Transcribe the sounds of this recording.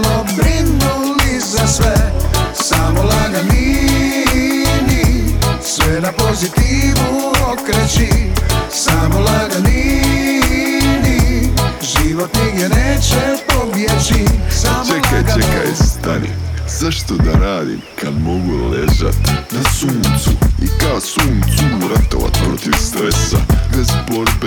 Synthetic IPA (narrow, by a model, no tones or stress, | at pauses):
lobɾinːu | lizasʋɛsamolaɡani | nisʋɛnapo̞zit̪iʋuokɾet͡ʃisaːmolaɡani | ni | ʒiʋot̪niɡɛnɛt͡ʃɛpobjɛt͡ʃisat͡ʃɛkːat͡ʃɛkːa̰st̪a̰ɾḭsaʃt̪od̪aɾaːd̪ḭ | kʰamɔɡuɾolɛza̰t̪ːnesuːnt̪suikaːsunsumuɾat̪ːo̰va̰t̪pɾɔt̪ivst̪ɾɛsːa̰nespɔɾpe